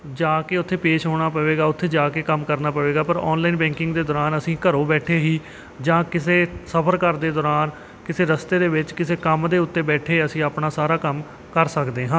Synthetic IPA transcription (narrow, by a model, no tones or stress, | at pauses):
d͡ʒaːkeːʊt̪ʰːeːpeːʃɦoːɽ̃aːpəʋeːɡaːʊt̪ʰːeːd͡ʒaːkeːkəmkəɾnaːpəʋeːɡaːpəɾɔːnlaːiːnbɛ̃ːŋkɪŋɡd̪eːd̪ɔːɾaːnəsĩːkəɾoːbɛːʈʰeːɦiː | d͡ʒãːkɪseːsəpʰəɾkəɾd̪eːd̪ɔːɾaːn | kɪseːɾəst̪eːd̪eːbɪt͡ʃkɪseːkəmd̪eːʊt̪ːeːbɛːʈʰeːəsĩːaːpnaːsaːɾaːkəm | kəɾsəkd̪eːɦãː